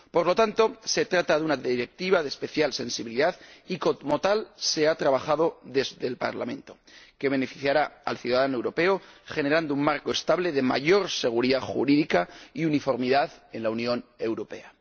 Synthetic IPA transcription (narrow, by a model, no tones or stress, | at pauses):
po̞ɾlo̞t̪ant̪o̞se̞t̪ɾat̪aðeunaðiɾe̞k̚t̪iβaðespe̞θjalse̞nsiβiliðaðiko̞t̪mo̞t̪alse̞at̪ɾaβaxaðo̞ðe̞zðe̞lpa̰ɾla̰mẽ̞nt̪o̞ke̞βe̞nefiθjaɾaa̰lθjuðaðanoewɾo̞pe̞oχe̞ne̞ɾand̪ouŋmaɾkoest̪aβle̞ðe̞ma̰ʝo̞ɾse̞ɣ̞uɾiðaxṵɾiðikaiunifo̞ɾmiðaðe̞nlaunjõ̞ne̞wɾo̞pe̞̰a